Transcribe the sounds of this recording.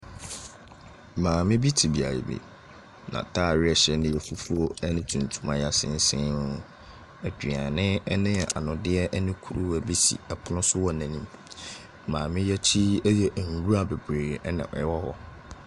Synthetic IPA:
mãː˨mɪ̃˦bi˦tʰi˨bi˨a̰˨ɾḭ˨bḛ˨ | nã̰˨tʰa˦˨ɾɪ˦ɛ˨ɕɛ˦nɪ̃˦jɛ˨fu˦fu˦o˦ɛ˦nɪ̃˦tʰũ˨n˨tʰu˦mã˦ja˦sɪ̰̃˦n̩˦sɪ̃˦nʊ˦ | æ˨dᶣɥã˨nɪ̃˦ɛ˦nɪ̃˦ɛ˨ʔa̰˨nʊ̃˨dɪ˦ɛ˦ʔɛ˦nɪ̃˦kʰu˦ɾu˦æ˨bi˦sḭ˨ɛ˨pʰʊ˨nʊ̃˦sʊ˦wɔ˦˨nã˨nĩ˦m | mãː˨mɪ̃˦jɛ˦t͡ɕʰi˦ɛ˦jɛ˦ʔn̩˨ɾu˦a˨be˨bɾe˨ɾnɪ̰̃˨ʔɔ̰˨ɛ˦wɔ˦hɔ̰˦

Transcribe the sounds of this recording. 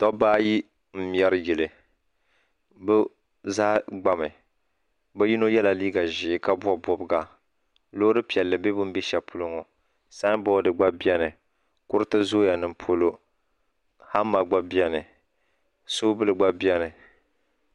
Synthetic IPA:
tɔ˦baː˦ji˦ | m̩˦m˦˨ɛ˦ɾɨ˦jɪ˨lɨ˨ | bɨ˦ | zaː˦ɡ͡ba˦mɨ˨ | bɨ˦ji˦no˦jɛ˦la˨liː˦ɡa˨ʒɪ˨˦ka˦bwa˦bɔ˦bɨ˦ɡa˨ | lo˦ɾɨ˦pi˨ɛ˨lːɨ˨be˦bʊ˦m˦bi˦ʃɛ˨pʰʊ˦lʊ˦ŋo˨ | sa˦bɔ˦dɨ˨ɡ͡ba˦bi˦ɛ˦nɨ˨ | kʊ˦ɾɨ˦tɨ˦zo˦ja˨nɨ˨mpʰo˨lo˦ | ha˦mːa˨ɡ͡ba˦bi˦ɛ˦nɨ˨ | soː˦bɨ˦lɨ˨ɡ͡ba˦bi˦ɛ˦nɨ˨

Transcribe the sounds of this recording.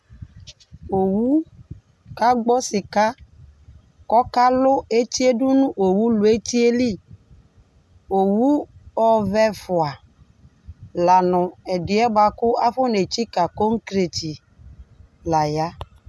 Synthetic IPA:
o˨wu˦ | ka˦ɡ͡bɔ˦sɪ˨ka˦ | kɔ˦ka˦lʊ˦e˦t͡ʃi˦e˦dʊ˦nũ˦ʔo˨wu˦lʊ˨e˦t͡ʃi˦e˦li˦˨ | o˨wu˦ɔ˨vɛ˦fʊ˨a˨ | la˨nʊ̃˨ɛ˨dɪ˨˦ɛ˦ba˨kʊ˦a˦fʊ˦ne˨t͡ʃi˦ka˨ko˦ŋ̩˦kɾe˨t͡ʃi˨ | la˨ja˦

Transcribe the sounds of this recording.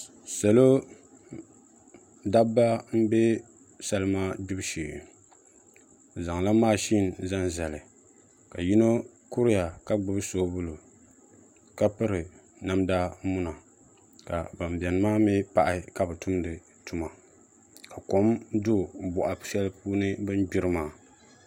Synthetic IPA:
sa˨lo˦ | da˦bːa˦m̩˦be˦ | sa˦lɨ˦maː˦d͡ʒɪ˦bʃḭː˨ | za˨ŋla˦maː˦˨ʃi˦n˨za˦nzɛ˨lɨ˨ | ka˨ji˦no˦ | ku˦ɾɪ˦ja˨ka˦ɡ͡bɨ˦bɨ˦soː˦bʊ˦lo˨ | ka˦pɨ˦ɾɨ˨ | na˦mda˦mʊ˦na˨ | ka̰˨ba˨m˨bɛ˨nɨ˦maː˦mi˦pa˨ʔɪ˦ka˨bɨ˨tʊ˦mdɨ˨ | tu˦ma˨ | ka˨ko˨˦mdʊ˦˨bɔ˨ʔa˨sɛ˦lɨ˦puː˦nɨ˦bɨ˦n˦ɡ͡bɪ˦ɾɨ˦maː˨˦˨

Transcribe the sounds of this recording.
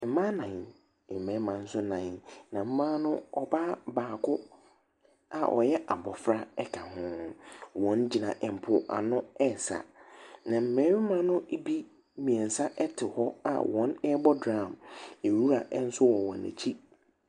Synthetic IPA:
m̩˨˦mã˦nã˨n˨ | m̩˨mɛ̃˨˦mã˨n̩˦sʊ˦nã˨nã˨m̩˦mã˦nʊ̃˦ɔ˨ba˦baː˨kʰʊ˦ | a˨ʔɔ̰˨jɛ˦ʔa˨bɔ˨fɾa˦ɛ˦kʰa˨hʊ̃˦wɔ̃˨˦nd͡ʑi˨nã̰˨ʔɛ˨m̩˨pʰʊ˨ʔa̰˨nʊ̃˦ɛ˦sa̰˨nã˨m̩˨mɛ̃˨˦mã˦nʊ̃˦bi˦ | mĩ˨ɛ̃˨n˨sa˦ʔɛ˦tʰɪ˨hɔ˦a̰˨wɔ̃˨˦nɛ˦bɔ˦dɾã˦˨mɛ˨wu˦ɾa˨ʔn̩˦sʊ˦wɔ˨wɔ̃˨næ̰˨t͡ɕʰi˦

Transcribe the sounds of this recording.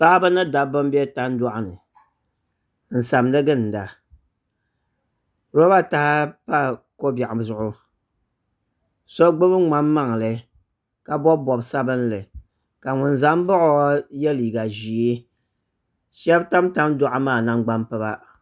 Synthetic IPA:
pa˦ʔbɨ˦nɨ˦da˨bɨ˦m˦bɛ˦ta˦n˦dɔ˦ʔa˨nɨ˨ | n̩˨sa˨mnɨ˦ɡɨ˦n̩˨da˨ | ɾo˦ba˦ta˦ha˦pa˦˨ko˦bja˨ʔa˨zʊ˨ʔʊ˦ | so˦ɡ͡bɨ˦bɨ˦ŋ͡ma˨mːa˦ŋ˨lɨ˨ | ka˨bɔ˦bbɔ˨bsa˦bɨ˦n˦lɨ˨ | ka˨ŋʊ˨nza˦m˦bɔ˦ʔo˨˦jɛ˦li˨ɡa˨ʒi˨e˦ | ʃɛ˦bta˦mta˦mdɔ˦ʔa˦maː˦˨na˦ŋ͡mɡ͡ba˦mpɨ˦ba˦

